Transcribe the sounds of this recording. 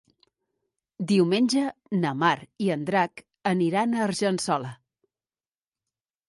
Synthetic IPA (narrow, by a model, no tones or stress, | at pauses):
d̪iwmenʲʒənəmaɾiənd̪ɾak | əniɾanəːɾʒənsɔlə